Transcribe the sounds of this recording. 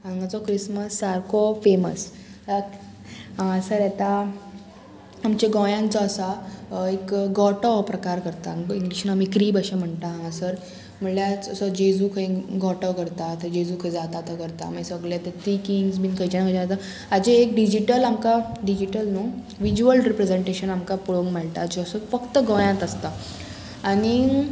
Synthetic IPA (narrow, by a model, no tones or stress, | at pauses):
ãŋɡat͡sɔkɾisməsːaɾkofemə̰s | ak | ãsəɾɛt̪a | amt͡ɕeɡɔjãnt͡sɔəsaekɡɔʈəʋpɾəkaɾkəɾt̪aiŋɡliɕnaamikɾiːbəɕam̤əɳt̪aɦaãsəɾ | m̤əɳljat͡səsəd͡ʑed͡zuːkʰəiɡɔʈəʋkəɾt̪at̪əd͡ʑed͡zuːkʰəĩd͡zat̪at̪akəɾt̪a̰majsəɡɭjat̪at̪ikiŋɡsmiːnkʰəjt͡ɕanakʰət͡ɕaat̪a | ad͡ʑeekɖid͡ʑiʈəlamkaɖid͡ʑiʈəlnu | ʋid͡ʑuəlɾipɾed͡zeɳʈeɕənamkapuɭoŋɡmaɭʈ̪aːd͡ʑeəsəfəkt̪əɡɔjãnt̪əst̪a | aɽ̃i